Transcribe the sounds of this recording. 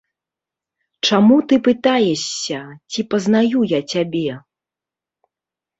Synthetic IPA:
t͡ʂamut̪ɨpɨt̪ajɛɕʲːɐt͡sʲipɐznajujat͡sʲabʲɛ

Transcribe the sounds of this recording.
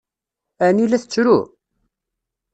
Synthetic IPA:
ænilæθət͡sːɾṵ

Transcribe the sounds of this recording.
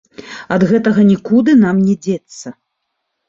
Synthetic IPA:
ɐd̪ɣɛt̪ɐɣɐnʲikud̪ɨnamnʲɛd͡zʲɛt̪sːɐ

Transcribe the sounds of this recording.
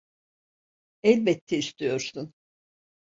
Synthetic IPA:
ɛlʲbɛt̪ʰːɛist̪ʰijo̞ɾsun

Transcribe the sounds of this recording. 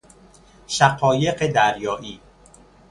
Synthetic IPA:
ʃæqɒːje̞ɢed̪æɾjɒːʔiː

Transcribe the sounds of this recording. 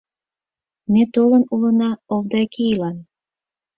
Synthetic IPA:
met̪olənulɤnɑoβd̪ɑkʰeilɑn

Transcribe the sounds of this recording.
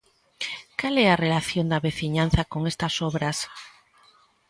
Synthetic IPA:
kalɛarelaθjond̪aβeθiɲan̟θakoŋest̪ɐsɔβɾas

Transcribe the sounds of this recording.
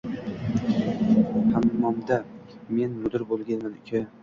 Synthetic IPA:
hammɒmd̪ame̞nmʊd̪ɪɾbolˠɡʲanmanɪkʲʰa

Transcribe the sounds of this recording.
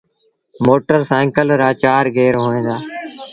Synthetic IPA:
moːʈəɾsãːŋkəlɾaːt͡ʃaːɾɡeːɾɦõːẽːd̪aː

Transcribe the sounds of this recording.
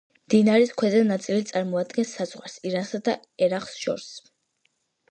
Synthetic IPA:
md̪̥inaɾiskʰwɛzanat̪sʼilit̪sʼaɾmɔad̪ɡɛnsad̪z̥ʁwaɾsiɾansad̪a | ɛɾaχsʃɔ̰ɾs

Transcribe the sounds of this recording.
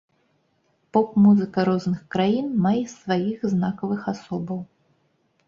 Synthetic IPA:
pɔkmuzɨkɐɾɔznɨxkɾajinmajɛsvajixznakɐvɨxasɔbɐw

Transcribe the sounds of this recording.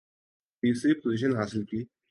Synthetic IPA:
pisipoziɕ̬ənɦasɪlki

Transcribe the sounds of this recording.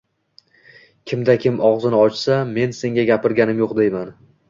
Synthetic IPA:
kʲʰɪmd̪akʲʰɪmɒʁzɪnɪɒt͡ʃsame̞nse̞ŋɡʲaɡʲapɪɾɡʲanɪmjoqd̪ejman

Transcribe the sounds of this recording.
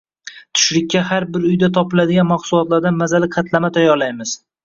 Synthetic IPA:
t̪ʰʊ̥ʃɾɪk̚ʲːahaɾbɪɾʊjd̪at̪ʰɒpɪlad̪ɪɡʲanmaχsʊlˠɒt̪laɾd̪anmazalɪqʰɑt̪ʰlamat̪ʰajɒɾlajmɪz̥

